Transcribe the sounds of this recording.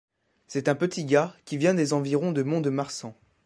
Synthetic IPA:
sɛt̪ɛ̃pət̪ʰiɡakʲivjɛ̃d̪ezɑ̃viʁɔ̃d̪əmɔ̃d̪əmaʁsɑ̃

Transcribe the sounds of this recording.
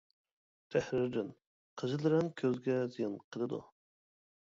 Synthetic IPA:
t̪ʰæhɾɪɾd̪ɪn | qʰəzɨlɨɾɪnkʲʰøzɡʲɛzijɪnqʰəlˠɨd̪ṵ

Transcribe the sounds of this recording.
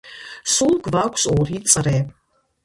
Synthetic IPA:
sulˠɡvakʷʰsɔɾisʼɾɛː

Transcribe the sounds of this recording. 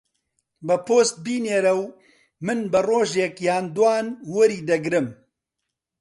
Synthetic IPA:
bɐpʰoːst̪̚biːneːɾɐw | mɨnbɨroːʒeːkjaːnd̪waːnwɐɾiːd̪ɐɡɾɨm

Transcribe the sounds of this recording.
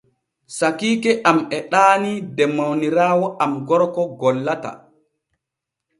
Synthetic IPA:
sakiːkɛʔamɛɗaːnidɛmawniɾaːwɔʔamɡɔɾkɔɡɔlːata̰

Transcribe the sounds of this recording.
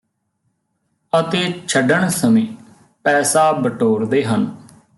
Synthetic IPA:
ət̪eːt͡ʃʰəɖəɳsəmĩː | pɛːsaːbəʈoːɾd̪eːɦən

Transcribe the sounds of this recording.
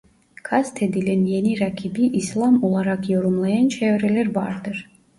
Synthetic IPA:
kʰazt̪ʰed̪ilʲɛnjeniɾɑkʰibiʔislˠɑmolˠɑɾɑqjoɾumlˠɑjɑnt͡ʃʰɛvɾɛlɛɾvɑɾd̪ɯɾ

